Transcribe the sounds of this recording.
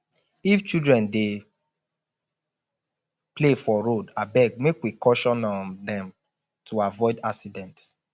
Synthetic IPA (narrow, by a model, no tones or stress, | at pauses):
ift͡ʃidɹɛ̃nde | plefɔɾodabɛɡ̚mekwikɔʃɔ̃nɔ̃ndɛ̃m | tʰuavɔɪdaksidɛ̃nt